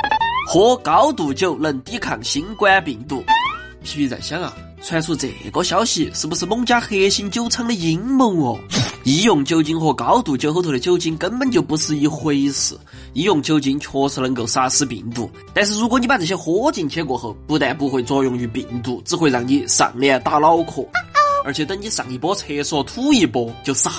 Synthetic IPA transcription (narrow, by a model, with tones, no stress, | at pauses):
xwɔ˧˥kɑ˧˥ʊt̪u˨˩t͡ɕjo˥˧ʊlə˥˩nt̪i˥kʰɑ̰˨˩ŋɕi˧˥nkwa˥pi˨˩nt̪̬u˥˩ | pʰi˧˥˧pʰi˧˥t͡sa̰˨˩ɪɕjɑ˥ŋa̰˨ | t͡sʰwa˥˧t͡sʰu˥˩t͡sə̰˨˩ḛ˨˩ko˧˥ɕjɑ˧˥ʊɕi˨˩ʂɻ̩˥˩bu˧˩ʂɻ̩˥˧mʊ˥˧ŋt͡ɕja˥xe˥ɕi˥nt͡ɕjo˥ʊt͡sʰɤ˧˥ŋlə˨i˧˥nmʊ˧˥ŋɔ˨˩i˧˥jʊ˥˩ŋt͡ɕjo˥ʊt͡ɕi˥nxwɔ˥˩kɑ˧˥ʊt̪u˨˩t͡ɕjo˥˧ʊxo˧˥ʊt̪ʰu˩də˧t͡ɕjo˥ʊt͡ɕi˥nkə˥npə˨˩nt͡ɕjo˥˩ʊpu˧˥ʂɻ̩ɹ̩˥˧i˧˩xwe˥ɪsɹ̩̰˧˦ | i˧˥jʊ˥˩ŋt͡ɕjo˥ʊt͡ɕi˥nt͡ɕʰɔ˥t͡s̩ʰ˥lə˧˥ŋko˨˩ʊsa˥ʂɹ̩˥pḭ˨˩nt̪ṵ˥˩ | t̪a˥˧nʂ̬ɻ̩˥˩ɻu˧˥kwɔ˧˦ni˥pa˧˩t͡sɤ˨˩ɕjɛ˥xwɔ˧˥t͡ɕi˨˩nt͡ɕʰjɛ˥kwɔ˨˩xo˧˥pu˥˧t̪a˥˩pu˥˧xwe˥˧ɪt͡swɔ˥˧jʊ˥˧ŋy˧˩pḭ˨˩nt̪u˥˩ʈ͡ʂɻɹ̩˥˧xwe˥ɪɑ˧˩ŋni˧˥˩ʂɑ̰˨˩ŋljɛ˥˧t̪a˥˩lɑ˥ʊkʰɔ̰˨˩ə˞˧˥t͡ɕʰɛ˨˩t̪ə˥ŋt͡ɕi˧˥ʂɑ̰˨˩ŋi˧˩pwɔ˥t͡sʰe˧˥ɪswɔ˥˩t̪ʰu˥i˧˩pwɔ˧˥t͡ɕjo˥˧ʊsa˥